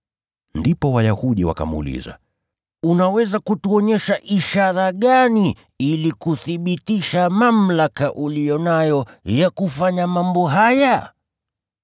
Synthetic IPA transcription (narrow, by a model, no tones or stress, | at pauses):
ndipɔwajahuɗiwa̰ka̰mṵlḭza̰ | unawɛzakutuɔɲɛʃaʔiʃaɾaɠani | ilikuθiɓitiʃamam̩lakaʔulijɔnajɔjakufaɲamambɔɦaja